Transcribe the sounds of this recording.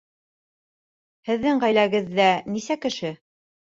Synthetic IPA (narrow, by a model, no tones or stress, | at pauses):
hɘ̆ðːɘŋʁæjlæɡɘ̆ðːænisækɘ̆ʃɘ